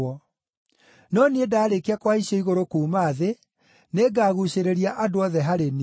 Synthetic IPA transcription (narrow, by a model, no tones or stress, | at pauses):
ɔ | nɔniedaːɾekeakwaiɕɔiɣoɾokuːmaðe | neɡaːɣuɕeɾeɾiaʔadoɔðɛɦaɾeni